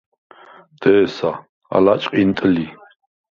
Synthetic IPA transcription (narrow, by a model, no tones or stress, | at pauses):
t̪ɛːsa | a̰lat͡ʃʼqʼint̪ʼəli